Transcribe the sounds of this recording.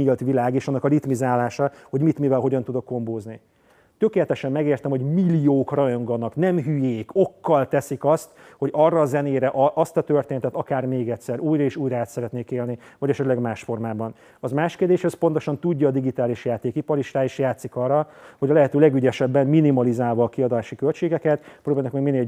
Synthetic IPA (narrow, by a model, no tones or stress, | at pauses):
ilt̪ʋilaːɡeːʃɒnːɒkɒrit̪mizaːlaːʃɒho̞ɟmit̪mivɛlɦo̞ɟɒnt̪ud̪o̞kːo̞mboːzni | t̪ø̞keːlɛt̪ɛʃɛmːɛɡeːrt̪ɛmho̞ɟmilijoːkrɒjo̞ŋɡɒnɒknɛmɦyjeːko̞kːɒlt̪ɛsikɒst̪ | ho̞ɟɒrːɒːzɛneːɾɛʔʔɒst̪ɒt̪ø̞rt̪eːnɛt̪ɛt̪ɒkaːrmeːɡɛtsɛɾʔuːjrɒiʃuːjɾɒaːt̪sɛɾɛt̪neːkeːlnivɒɟɛʃɛt̪lɛɡmaːʃfo̞rmaːbɒn | ɒzmaːʃkeːrd̪eːʃhɛspo̞nt̪o̞ʃɒnt̪uɟːɒːd̪iɡit̪aːliʃjaːt̪eːkipɒɾiʃraːiʃjaːt̪sikɒrɒho̞ɟɒlɛɦɛt̪øːlɛɡyɟɛʃɛbːɛmminimɒlizaːlvɒːkiɒd̪aːʃikølt͡ʃeːɡɛkɛt̪proːbaːlnkmɛɡmineːl